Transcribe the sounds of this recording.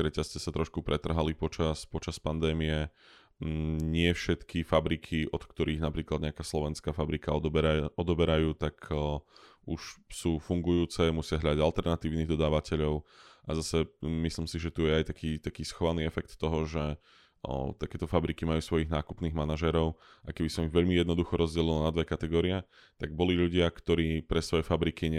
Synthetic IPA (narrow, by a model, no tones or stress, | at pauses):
ɾɛcast͡sɛsat̪ɾʔɔʃkupɾʔɛt̪r̩ɦalipɔt͡ʃaspɔt͡ʃaspand̪ɛːmiɛ | ɲɪɛfʃɛt̪kʰifabɾikʰiʔɔt̪kt̪ɔɾʔiːɣnapɾiːklad̪ɲɛakaːslɔʋɛnskaːfabɾikaɔbaɔd̪ɔbɛɾajuːt̪ak | ʔuʃsuːfuŋɡujuːt͡sɛmusɪaɦʎad̪aɟalt̪ɛɾnat̪iːʊniːɣd̪ɔd̪aːʋacɛʎɔʊʔazasɛmisliːmsiʒɛt̪ujɛajt̪akiːt̪akiːsxɔʋaniːɛfɛk̚t̪ːɔɦɔʒɛ | t̪akɛːt̪ɔfabɾikimajuːsʋɔjiɣnaːkupniːɣmanaʒɛːɾɔʊʔajkɛbisɔmiɣʋɛʎmijɛd̪nɔd̪uxɔɾʔɔzɟɛlilɔnad̪ʋɛkat̪ɛɡɔːɾiɛ | t̪aɡ̚bɔliʎuɟɪakt̪ɔɾiːpɾɛsʋɔjɛfabɾikiɲɛ